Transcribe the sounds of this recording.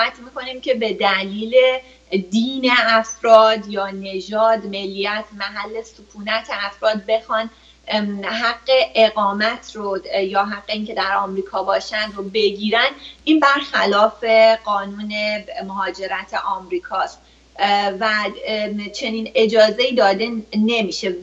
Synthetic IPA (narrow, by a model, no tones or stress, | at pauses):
mæt̪ʰmiːko̞nimcʰe̞be̞d̪æliːle̞ | d̪iːne̞æfɾɒːd̪jɒːne̞d͡ʒɒːd̪me̞lːijæt̪ʰmæɦælːe̞sukʰuːnæt̪ʰeæfɾɒːd̪̚be̞xɒːn | ɦæɡːe̞ʔeɣɒːmæt̪ʰrojɒːɦæɡːeiːŋcʰe̞d̪æɾɒːmɾiːkʰɒːbɒːʃænd̪ɾobe̞ɟiːɾænd̪inbæɾxælɒːfe̞ɢɒːnuːne̞moɦɒːd͡ʒe̞ɾæt̪ʰeʔɒːmɾiːkʰɒːst̪ | væ | t͡ʃʰe̞niːne̞d͡ʒɒːze̞iːd̪ɒːd̪e̞ne̞miːʃe̞